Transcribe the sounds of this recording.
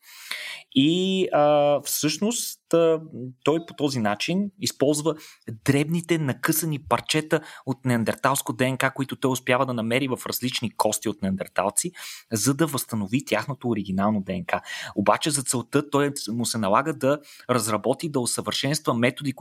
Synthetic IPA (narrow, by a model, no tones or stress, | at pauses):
iəfsɤʃnost̪ət̪ɔjpo̥t̪ɔzinat͡ʃinispɔlˠzvəd̪ɾɛbnit̪ɛnɐkɤsɐnipɐɾt͡ʃɛt̪əot̪nɛɐnd̪ɛɾt̪alˠskod̪ɛɛŋkakoit̪ʊt̪ɔjʊspjavəd̪ɐnɐmɛɾivɐfɾɐzlit͡ʃnikʰɔst̪iot̪nɛɐnd̪ɛɾt̪a̰lˠt̪sizɐd̪ɐvɐst̪ənovit̪ʲjaxnot̪oːɾiɡ̟inalˠnod̪ɛɛŋkaobat͡ʃɛzɐt̪sɛlˠt̪ɤt̪ɔjmʊsɛnɐlˠaɡəd̪ɐɾɐzɾɐbɔt̪id̪ɐosəvəɾʃɛnst̪vəmɛt̪od̪i